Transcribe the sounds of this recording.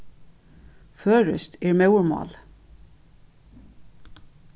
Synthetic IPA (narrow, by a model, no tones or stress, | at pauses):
føːɹʉ̰st̪eːɹmœʉɹmɑ̰ːl